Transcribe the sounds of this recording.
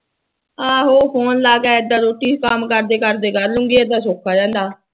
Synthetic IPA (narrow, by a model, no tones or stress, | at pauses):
ãːɦoːpʰoːnlaːɡaːɪd̪ːãːɾoːʈiːkəmkəɾd̪eːkəɾd̪eːkəɾlʊŋɡiːeːd̪aːsoːkʰːaːd͡ʒɛ̃ːnd̪aː